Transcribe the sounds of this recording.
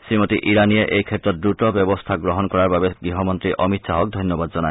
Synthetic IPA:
sɾimɔt̪iʔiɾanieʔejkʰet̪ːɾɔdɾutɔbjɔbɔst̪ʰaɡɾɔɦɔnkɔɾaɾbabeɡɾiɦɔmɔnt̪ɾiʔɔmit̪ʃaɦɔk̚d̪ʱɔnjɔbad̪d͡ʒɔnae

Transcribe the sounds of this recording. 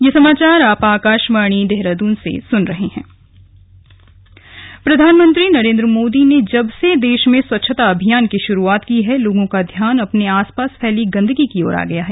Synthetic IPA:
jeːsɐmaːt͡ʃaːɾaːpaːkaːʃʋaːɽ̃id̪eɦɾad̪uːnsḛsʊnɾɐɦeɦɛ̰̃ː | pɾɐd̪ʱaːnmə̃nt̪ɾinɐɾẽːnd̪ɾəmoːd̪ined͡ʒɐbsed̪eːʃmẽswɐtːʃʰət̪aɐbʱijaːnkiʃʊɾuaːt̪kiɦɛloːɡõkad̪ʱjaːnɐpneaːspaːspʰɛːliɡɐ̃nd̪əɡikiɔːɾa̰ːɡɐjaɦɛː

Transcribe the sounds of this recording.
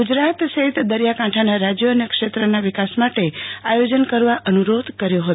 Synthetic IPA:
ɡud͡ʒɾat̪səɦit̪d̪əɾjakãʈʰanaɾad͡ʒjoənekʃet̪ɾənaʋɪkasmaʈeajod͡ʒənkəɾʋaʔənuɾod̪kəɾjoɦət̪

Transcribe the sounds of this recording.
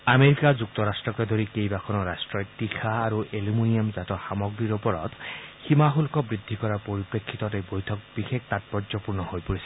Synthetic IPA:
ameɾikazuk̚t̪ɔɾastɹɔkɔd̪ʱoɾikejbakʰɔnɔɾastɹɔjtixʰaːɾuʔelumunijɔmzatɔxamɔɡɹiɹopɔɹɔ̰tximaɦulkɔbɹid̪ʱːikɔɹapoɹipɹekʰːit̪ɔtebojtʰɔk̚bixek̚ʰt̪at̚pɔɹzɔpuɹnɔhojpoɹisi̥

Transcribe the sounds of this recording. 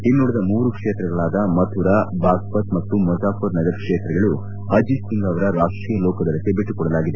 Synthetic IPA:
inːuɽid̪ɐmuːɾukʂeːt̪ɾɐɡɐɭaːd̪ɐmɐt̪ʰuɾabaːɡpɐt̪mɐt̪ːumɐd͡ʒaːkɐɾnɐd͡ʒɐɾkʂeːt̪ɾɐɡɐɭu | ɦɐd͡ʒistiŋɡɐʋɐɾɐɾaːʂʈɾijɐloːkɐd̪ɐɾɐt̪ebeʈːukɔɽɐlaːɡid̪e

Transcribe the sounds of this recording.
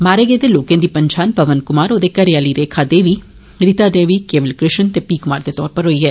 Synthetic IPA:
maːɾeːɡeːd̪eloːkẽːd̪ipɐɲt͡ʃaːnpɐʋənkʊmaːɾoːd̪ekɐɾjaːliɾeːkʰad̪eːʋi | ɾɪt̪ad̪eːʋikeːʋəlkɾɪʃənt̪epiːkʊmaːɾd̪et̪ɔːɾpəɾɦoːiːɦɛː

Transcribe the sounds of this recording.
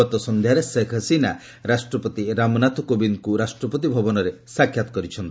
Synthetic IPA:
ɔt̪ɔsɔnd̪ʱjaɾesekʰəsina | ɾasʈɾɔpɔt̪iɾamɔnat̪ukobinkuɾasʈɾɔpɔt̪̬ibʱɔbɔnɔɾesakʰjat̪ɔ̥kɔɾit͡ʃʰɔnt̪

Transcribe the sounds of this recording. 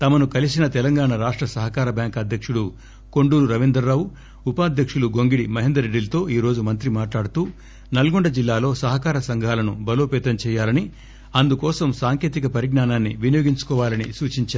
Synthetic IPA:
t̪ɐmɐnukɐlisinɐt̪ɛlɐŋɡaːɳɐɾaːʂʈɾɐsɐɦɐkaːɾɐbʱjaːŋkɐd̪ʱjɐkʂuɽu | ko̞ɳɖuːɾuɾɐʋind̪ɐɾːaːwu | upaːd̪ʱjɐkʂuɽuɡo̞ŋɡiɽimɐɦend̪ɾɐɾeɖːilɐt̪o̞ːiːɾo̞ːd͡ʒumɐnt̪ɾimaːʈlaːɽut̪uː | nɐlɐɡoɳɖɐd͡ʒilːaːlo̞ːsɐɦɐkaːɾɐsɐŋɡʱaːlɐnubɐlo̞ːpɛːt̪ɐmt͡ʃɛːjaːlɐni | ɐnd̪ukɔːsɐmsaːŋkeːt̪ikɐpɐɾiɡɳaːnaːnːiʋinijoːɡiɲt͡ʃu̥kɔːʋaːlɐnisuːt͡ʃiɲt͡ʃaːɾ

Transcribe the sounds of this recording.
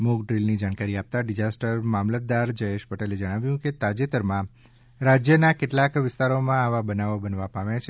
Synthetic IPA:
moɡɖɾilnid͡ʒaɽ̃kaɾiap̚t̪aɖɪd͡ʒasʈəɾmamlət̪̚d̪aɾd͡ʒəeʃpəʈeled͡ʒəɽ̃aʋjũket̪ad͡ʒet̪əɾmã | ɾad͡ʒjənakeʈlakʋɪst̪aɾomãaʋabənaʋobənʋapaʋjat͡ʃʰe

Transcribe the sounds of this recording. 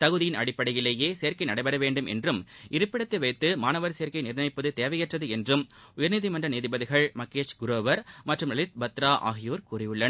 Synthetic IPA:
t̪ɐɣɯðɪjɪnɐɽɪpːɐɽɐjɪleːjeːsejɐɾkɐɪnɐɽɐɪbɐɾɐʋeːɳɖɯmʔɛ̰ndrɯmʔɪɾɯpːɪɽɐt̪ːɐʋɐɪt̪ːɯmaːnɐʋɐɾsejɐɾkɐɪnɪɾnɐɪpːɐðɯt̪eːʋɐjɐʈrɐðɯɛndrɯmʊjɐɾniːðimɐndrɐniːðɪbɐðɪɣɐɭmɐkːeːʂɡʊɾoːʋɐɾmɐʈrɯmɐlɪt̪̚bɐt̪ːɾaːʔa̰ːɣɪjoːɾkuːrɪjɯɭːɐn

